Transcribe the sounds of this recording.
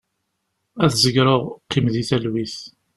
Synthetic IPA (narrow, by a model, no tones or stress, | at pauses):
æθzəɡɾoʁqːimðiθælwiθ